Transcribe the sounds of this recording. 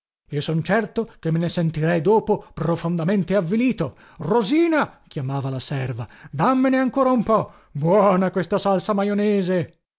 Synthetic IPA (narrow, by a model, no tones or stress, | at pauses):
iːosɔnt͡ʃɛrt̪okemːenesent̪iɾɛjd̪oːpoprofond̪ament̪eavːiliːt̪o | roziːnak̟jamaːvalasɛrvad̪amːeneaŋkoːɾaumpɔ | bwɔːnakwest̪asalsamajoneːze